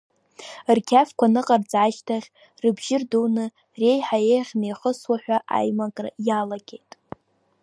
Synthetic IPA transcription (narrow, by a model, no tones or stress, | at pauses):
rkʲʰafkʷʰanɨqʼard͡zaʃtʰaʁʲ | rɨbʒɪrduwnɨ | re̞jħajejʁʲnejχəswaħʷᶣaʔa̰jmakʼra̰jalaɡʲejtʼ